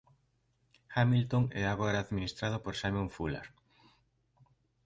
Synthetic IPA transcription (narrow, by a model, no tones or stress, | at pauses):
xamilt̪oŋɛaɣoɾaːðminist̪ɾað̞opoɾsajmõɱfula̰ɾ